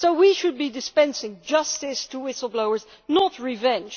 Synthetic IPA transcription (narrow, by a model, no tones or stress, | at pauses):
soʊwiʃɨd̚bidɨspɛ̃nsɪ̃ŋd͡ʒʌstɪstʰəwɪsl̩ˠbloʊə˞z | nətɹivɛ̃nd͡ʒ